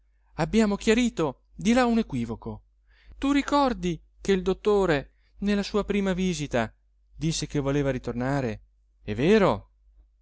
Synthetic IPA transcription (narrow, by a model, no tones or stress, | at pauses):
abːjaːmokjaɾiːt̪o | d̪ilaunekwiːvoko | t̪urikɔrd̪i | k̟eld̪ot̪ːoːɾe | nelːasuːapɾiːmaviːzit̪a | d̪isːek̟evːoleːvaɾit̪ornaːɾe | ɛvːeːɾo